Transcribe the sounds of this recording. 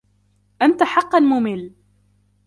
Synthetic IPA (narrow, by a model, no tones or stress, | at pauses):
ʔant̪aħɑqːɑlmʊmɪl